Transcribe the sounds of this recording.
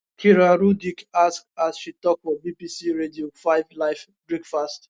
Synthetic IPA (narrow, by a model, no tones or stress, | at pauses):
kʰiɾaɾudikask̚asʃitɔk̚fɔbibisiɹediofaɪvlaɪf | bɹikfast